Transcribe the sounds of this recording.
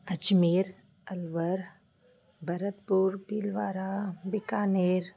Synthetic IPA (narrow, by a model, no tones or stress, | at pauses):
ɐd͡ʒmeːɾ | ɐlʋəɾ | bʱɐɾət̪puɾbiːlʋaːɾabɪkaːneːɾ